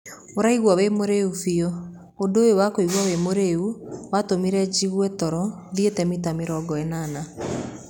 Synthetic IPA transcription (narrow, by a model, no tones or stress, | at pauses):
oɾaiɣwawemoɾeufio | ondoːjowakoiɣwawemoɾeuwatomiɾɛd͡ʒiɣwɛtɔɾɔ | ðietɛmitameɾɔɡɔɛnana